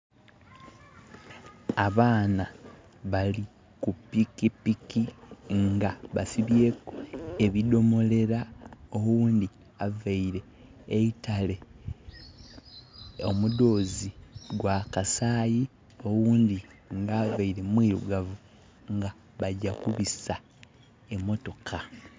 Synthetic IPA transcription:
aβaːna | βali | kupikipikiŋɡaβasiβje̞ːkoe̞βido̞mo̞le̞ɾao̞wuːnd̪i | avaiɾe̞ː | itale̞ | o̰mudo̞ːziɡwakasaːji | o̞wuːndiŋɡaːvaiɾe̞mwiːɾṵɡavu | ŋɡa | βaɟakuβisa | emo̞to̞kʰa

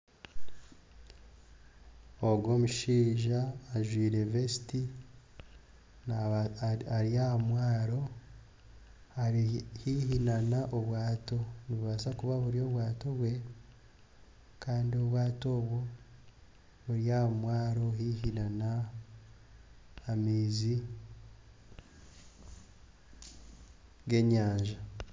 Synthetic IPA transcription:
oɡo̞muʃiːʒaːʒwiːɾe̞vesi̥ti | n | aɾiaamwaːɾo̞ | ahiɦinanaʔoβwaːto̞niβuβasakuβaβuɾijo̞βwaːto̞βwe̞ | kaːndio̞βwaːtoːβwo̞ | βuɾjaamwaːɾo̞ɦihinana | miːzi | ɡe̞ɲaːɲʒa

